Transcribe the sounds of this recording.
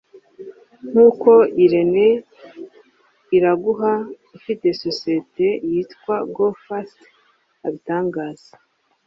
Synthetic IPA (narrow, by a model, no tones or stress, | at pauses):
n̥uːko̞iɾe̞ne | iɾaɡuɦa | ifite̞so̞sijete̞jiːtkwaɡofast | aβitaːŋɡaːz̥ḁ